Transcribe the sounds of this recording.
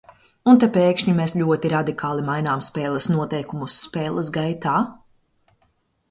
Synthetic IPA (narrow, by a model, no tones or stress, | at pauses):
unt̪ɛpeːkʃɲimesʎʲuɔt̪iɾad̪ikaːlˠimajnaːmspɛːlˠɐsnuɔt̪ɛjkumusːpɛːlˠɐsɡajt̪aː